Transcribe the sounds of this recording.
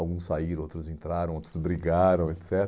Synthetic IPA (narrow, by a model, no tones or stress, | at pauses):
wɡũsːaiɾ̃ot̪ɾʊzẽnt̪ɾaɾɐ̃w̃ot̪ɾʊzbɾiɡaɾɐ̃w̃et̪sɛt̪